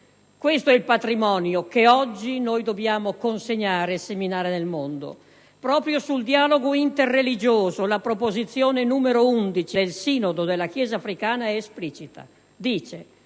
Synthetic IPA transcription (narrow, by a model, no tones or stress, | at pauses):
kwest̪oɛilpat̪ɾimɔːnjokeɔd͡ʒːinojd̪objaːmokonseɲːaːɾeːseminaːɾenelmond̪o̰ | pɾɔːpɾjosuld̪iaːloɡoint̪erːelid͡ʒoːzolapɾopozit̪sːjoːnenuːmeɾound̪it͡ʃid̪elsiːnod̪od̪elːak̟jɛːzaːfɾikaːnaɛesplit͡ʃit̪ʰa̰ | d̪iːt͡ʃe